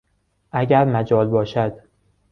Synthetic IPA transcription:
ʔæɟʲæɾmæd͡ʒɒːlbɒːʃæd̪̥

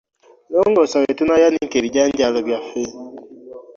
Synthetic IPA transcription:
loːŋɡosawetunajaniŋkeβiɟaːɲɟaːloβjafe

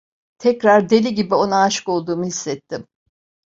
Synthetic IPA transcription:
t̪ʰɛcɾaɾd̪e̞lʲiɟibio̞naːʃɯ̥ko̞lˠd̪uːmuhisːɛt̪ʰːim

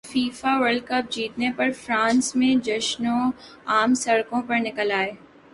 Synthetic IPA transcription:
fiːfaʋɐɾlɖ̚kɐp̚d͡ʒiːt̪nepɐɾfɾãːnsmẽd͡ʒɐʃnõ | aːmsɐɽkõpɐɾnɪkəlaːeː

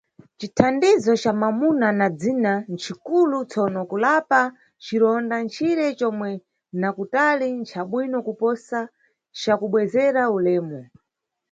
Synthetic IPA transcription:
t͡ʃitʰandizɔt͡ʃamamunanad͡zinant͡ʃʰikulut͡sɔnɔkulapa | t͡ʃiɾɔndant͡ʃʰiɾɛt͡ʃɔmwɛ | nakutalint͡ʃʰaɓwinɔkupɔsa | t͡ʃakuɓwɛzɛɾaulɛːmɔ

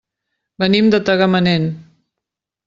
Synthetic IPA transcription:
bənimd̪ət̪əɣəmənen

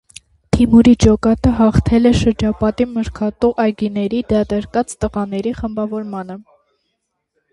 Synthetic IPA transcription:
t̪ʰimuɾid͡ʒɔkɑt̪əɦɑχt̪ʰɛlɛʃəɾd͡ʒɑpɑt̪iməɾkʰɑt̪uʔɑjɡinɛɾid̪ɑt̪ɛɾkɑt͡st̪əʁɑnɛɾiχəmbɑvɔɾmɑnə

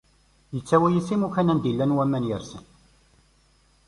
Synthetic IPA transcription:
jət͡sːæwæjisimukænænd̪ilːænwæmːænjəɾsən

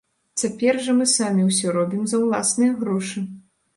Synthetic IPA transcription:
t͡sʲapʲɛrʐɐmɨsamʲiwsʲɔɾɔbʲimzɐwlˠasnɨjɐɣɾɔʂɨ

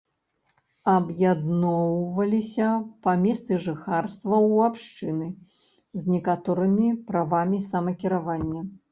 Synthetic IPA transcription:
ɐbjad̪nɔwvɐlʲisʲɐpɐmʲɛst̪sɨʐɨxarst̪vɐwapʂt͡ʂɨnɨ | zʲnʲɛkat̪ɔɾɨmʲipɾavamʲisɐmɐkʲiɾavanʲːɐ

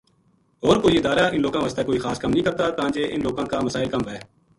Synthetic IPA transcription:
ɦoːɾkoːiɪd̪aːɾaːɪ̃nloːɡãːʋəst̪ekoːixaːskɐmnəɦĩːkɐɾt̪at̪ɐãːd͡ʒeʔɪ̰nloːɡãːkaməsaːɪlkɐmɦɛː

